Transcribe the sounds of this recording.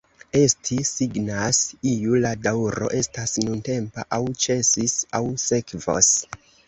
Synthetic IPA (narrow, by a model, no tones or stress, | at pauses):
e̞stʰisiɡnasijuladawɾo̞̰ʔe̞stasnunte̞mpa̰ʔawt͡ʃe̞sisawse̞kvo̰s